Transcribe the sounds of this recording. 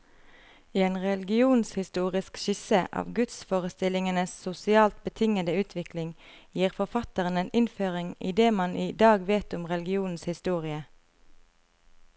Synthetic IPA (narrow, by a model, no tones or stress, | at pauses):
eːnʁɛlɡɪuːnshɪst̪uːʁɪskʃɪsəʔɑ̰ːʋɡʉt̪sfoːʁəst̪ɪlɪŋənəssʊsɪɑːlt̪̚bət̪ʰɪŋəd̪əʉːt̪ʰʋɪklɪŋ | jiːʁfɔʁfɑt̪əʁəneːnɪnføːʁɪŋḭd̪eːmɑniːd̪ɑːɡʋeːt̪ʊmʁɛlɡɪuːnn̩shɪst̪uːʁɪə